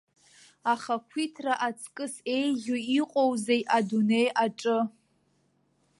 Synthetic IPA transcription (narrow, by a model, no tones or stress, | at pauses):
aχakʷʰitʰraʔat͡sʰkʼɨse̞jʒʲoiqʷʼo̞wze̞jʔadune̞jʔaʈ͡ʂʼɨ